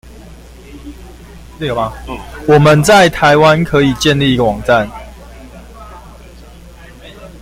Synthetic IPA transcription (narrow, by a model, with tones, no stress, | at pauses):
wɔ˨˩mə˨˦nt͡sa˥˩ɪt̪ʰa˨˦ɪwa˦nkʰɤ˨˦i˨˩t͡ɕjɛ˥˧nli˥˨i˧˦ɡə˨˩wɑ˨˩ŋt͡sa˥˨n